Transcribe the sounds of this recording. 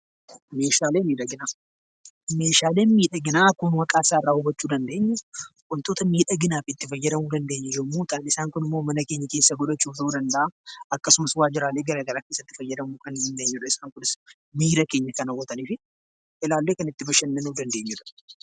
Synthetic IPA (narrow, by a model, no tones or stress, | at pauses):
me̞ːʃaːle̞ːmiːᶑɐɡɪnaː | me̞ːʃaːle̞ːnmiːᶑɐɡɪnaːkʊnwɐkʼaːsaːɪrːaːhʊbɐt͡ʃːuːd̪ɐnd̪e̞ːɲːʊkʼʊnt̪oːt̪ɐmiːᶑɐɡɪnaːfɪːt̪ːɪfɐjːɐd̪ɐmuːd̪ɐnd̪e̞ːɲːɛd͡ʒomːuːt̪ʼaːnɪsaːŋkʊnɪmːomɐnɐke̞ːɲːɐke̞ːsːɐɡɔᶑɐt͡ʃːuːfd̪ud̪ɐnd̪ɐʔaːɐkːɐsʊmɐswaːd͡ʒɪɾaːleːɡɐɾaːɡɐɾaːke̞ːsːɐt̪ːɪ̥fɐjːɐd̪ɐmuːkɐnd̪ɐnd̪e̞ːɲːʊᶑɐɪsaːŋkʊnɪs | miːɾɐke̞ːɲːɐkɐnɐwɔt̪ɐniːfɪ | ɪlaːlːeːkɐnɪt̪ːɪbɐʃɐnːɐnuːd̪ɐnd̪e̞ːɲːʊᶑɐ̥